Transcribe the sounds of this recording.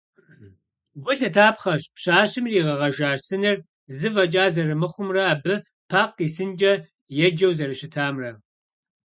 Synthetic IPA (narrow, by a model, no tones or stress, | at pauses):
bʷʊɬɐtʰaːpχɐɕpɕaːɕɨmriːʁɐʁɐʒaːrsɨnɨr | zɨvɐt͡ʃʼaːzɐrɨmɨχʷʊmrɐaːbɨ | pʰaːqiːsɨnd͡ʒʼɐ | jɛd͡ʒɐwzɐrɨʃɪtʰaːmrɐ